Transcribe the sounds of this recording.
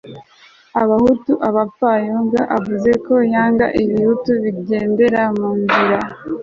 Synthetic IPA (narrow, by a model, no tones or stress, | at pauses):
aβahutuʔaβapajoŋɡaʔavuze̞ko̞jaːŋɡa̰ʔiβihutuβiɟe̞ːnde̞ɾamuːɱviɾa